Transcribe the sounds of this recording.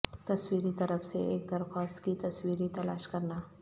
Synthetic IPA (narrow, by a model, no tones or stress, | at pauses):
t̪ɐswiːɾit̪ɐɾəfseeːk̚d̪ɐɾxaːst̪kit̪ɐswiːɾit̪ɐlaːʃkɐɾnaː